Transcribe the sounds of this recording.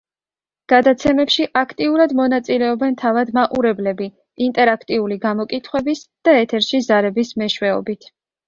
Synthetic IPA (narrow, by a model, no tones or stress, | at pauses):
ɡ̥ad̪at̪sʰɛmɛpʃiʔakʰt̪ʼiuɾad̪mɔnat̪sʼilɛɔbɛnt̪ʰavad̪maqʼuɾɛblɛbi | int̪ʼɛɾakʰt̪ʼiuliɡamɔkʼit̪ʰχwɛbisd̪̥aɛt̪ʰɛɾʃizaɾɛbismɛʃwɛɔ̰bit̪ʰ